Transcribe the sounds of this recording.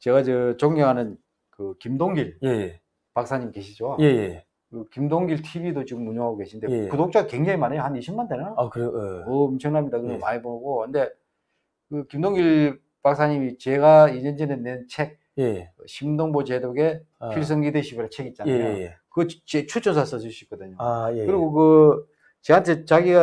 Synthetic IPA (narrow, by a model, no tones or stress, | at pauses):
t͡ɕe̞ɣat͡ɕɯt͡ɕoŋɡʌŋɦanɯn | kɯkimdoŋɡiɭje | pak̚s͈ʰaɲimke̞ɕʰid͡ʑojeje | kɯkimdoŋɡiɭtʰibidot͡ɕiɡɯmuɲoŋɦaɡoke̞ɕʰind̪ekudok̚t͡ɕ͈aɡkwe̞ŋd͡ʑaŋimanejohaniɕʰimːandenaakɯɾeʌmt͡ɕʰʌŋnamɲidakɯnemaɲiboɡokɯnde̞ | kɯkimdoŋɡiɭ | pak̚sʰaɲimit͡ɕe̞ɡaiɲʌnd͡ʑenenent͡ɕʰe̞k̚ | jɯɕʰimdoŋbot͡ɕe̞doɡe̞ | pʰiɭs̬͈ɯŋɡideɕʰibiɾet͡ɕʰe̞ɡit̚t͡ɕ͈aneajo | kɯt͡ɕet͡ɕʰut͡ɕ͈ʰʌnsʰas͈ʌs̬ʰɯɕ͈uik͈ʌdɯɲoekɯɾiɡokɯ | t͡ɕeantʰe̞t͡ɕaɡiɡa